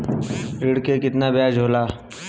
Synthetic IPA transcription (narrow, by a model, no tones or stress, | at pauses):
ɾɪɽkekɪt̪nabaːd͡ʒɦoːlaː